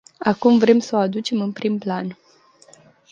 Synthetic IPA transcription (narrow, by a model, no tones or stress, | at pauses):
akumvɾe̞msəoad̪ut͡ʃe̞mɨnpɾimplan